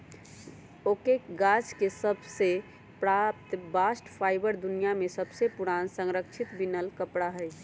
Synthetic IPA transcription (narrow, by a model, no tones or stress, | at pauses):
okeɡad͡ʒkesəbse | pɾap̚t̪basʈpʰajbəɾd̪unijamesəbsepuɽansəŋɾəkt͡ʃʰit̪binəlkəpɽaɦəjt͡ʃʰ